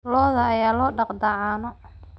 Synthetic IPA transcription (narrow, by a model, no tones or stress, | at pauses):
lɔːðɐːjaːlɔːɖɑqd̪ɑʕaːnɔ